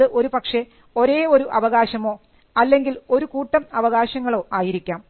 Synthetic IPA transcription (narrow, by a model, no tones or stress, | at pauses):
ɨʔo̞ɾupɐkʂe̞ | o̞ɾe̞ːo̞ɾuʔɐʋɐɣaːɕɐmo̞ː | ɐlːe̞ŋɡilo̞ɾukuːʈːɐmɐʋɐɣaːɕɐŋːɐɭo̞ːʔaːjiɾikʲːaːm